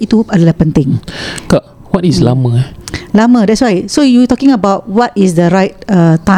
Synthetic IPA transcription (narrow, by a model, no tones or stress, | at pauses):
it̪uadəlahpə̃nt̪ɪ̃ŋkaʔ | wɔtisla̰məlamədɛtswajsojut̪ɔkɪ̃ŋəbawt̚wɔtisdəɹaɪt̚ətã